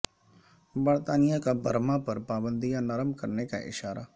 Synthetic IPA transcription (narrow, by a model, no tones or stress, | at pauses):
bəɾt̪aːnɪjãːkabʱəɾmãːpəɾpaːbənd̪ijãːnəɾəmkəɾneka̰ʔɪ̰ʃaːɾaː